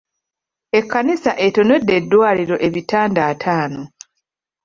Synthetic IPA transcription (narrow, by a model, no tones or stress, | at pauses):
e̞kːanisaʔe̞to̞no̞dːe̞dːwaːliɾo̞ʔe̞βitaːndaːtʰaːno̞